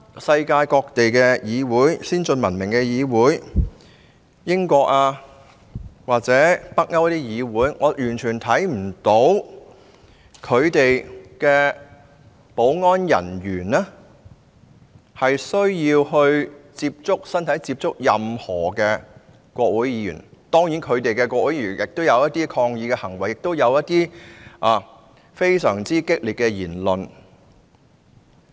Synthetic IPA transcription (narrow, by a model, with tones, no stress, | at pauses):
sɐ˧jkaː˧jkɔː˧k̚t̪e˨jkɛː˧jiː˨˧wuː˨˥jsiː˥nt͡ʃɵ˧nmɐ˨˩nmɪ˨˩ŋkɛ˧jiː˨˧wuː˨˥j | jɪ˥ŋkʷɔː˧k̚aː˧ | waː˨k̚t͡sɛː˨˥pɐ˥k̚ŋɐ˥wɐ˥t̪iː˥jiː˨˧wuː˨˥jŋɔː˨˧jyː˨˩nt͡ʃʰyː˨˩nt̪ʰɐ˨˥jm̩˨˩t̪o˨˥w | kʰɵ˨˧ɥt̪e˨jkɛː˧ | po˨˥wŋɔː˥njɐ̰˨˩njyː˨˩nɛː˥ | hɐ˨jsɵ˥ɥjiː˧wɦɵ˧ɥt͡siː˧p̚t͡sʊ˥k̚sɐ˥nt̪ʰɐ˨˥jt͡siː˧˥p̚t͡sʊ˥k̚jɐ˨mhɔː˨˩kɛː˧ | kʷɔː˧k̚wu˨˥jiː˨˧˥jy̰ː˨˩nt̪ɔː˥ŋjiː˨˥nkʰɵ˨˧ɥt̪e˨jkɛ˧kʷɔː˧k̚wu˨˥jiː˧˥˩y˨nɪ˨k̚t̪o˥wjɐ˨˧wjɐ˥t̚t̪iː˥kʰɔː˧ŋjiː˨˧kɛ˧hɐ˨˩ŋwɐ˨˩jːɪ˨k̚t̪o˥wjɐ˨˧wjɐ˥t̚t̪iː˥ʔaː˨ | fe˥jsœː˨˩ŋt͡siː˥kɪ˥k̚liː˨t̚kɛ˧jiː˨˩nlɵ˨n